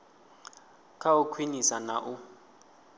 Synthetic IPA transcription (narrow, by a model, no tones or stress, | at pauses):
kʰaukʰwinisana̰ʔu